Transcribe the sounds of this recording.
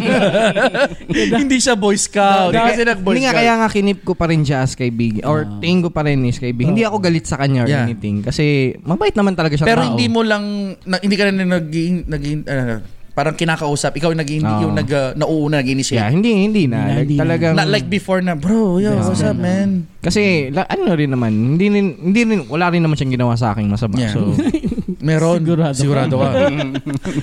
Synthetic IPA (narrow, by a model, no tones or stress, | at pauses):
hɪnd̪iʃabojskawkɐsɛnɐɡ̚bojd̪iŋakɐjjaːŋakɪnɪp̚kopɐɾɪnd͡ʒaʔɐskɐjbiɡʔoɹt̪ɛɪŋkopɐɾɛnɪskɐjbihɪnd̪iʔɐko̞ɡɐlɪt̪̚sɐkɐɲajanɪt̪ɪŋkɐsɛmɐbaːʔɪt̪nɐmant̪ɐlɐɡaʃɐtpɛɛɾohɪ̃nd̪iːmolɐŋnɐhɪnd̪iːkɐnannɐɡ̚inɐɡiɪʔɐopaːɾɐŋkɪnaːkɐʔuːsɐpʔɪkawjnɐɡhɪnjʊŋnɐɡɐnɐʔuʔunɐnɐɡ̚ɪnisjahɪnd̪ihɪnd̪iːnɐlt̪ɐlɐɡaŋnɐlajk̚bɪfoɹnɐbɾojaʔʊsap̚mɛn | kɐsɛlɐʔɐnoɾɪnːɐmanhɪnd̪iɾɪnhɪnd̪iɾɪnwɐlaːɾɪnːɐmanʃɐŋɡɪnɐwas̬ɐʔa̰ːkɪŋmɐsɐbajaso | mɛːɾonɡʊɾadɪɡʊɾaːd̪oa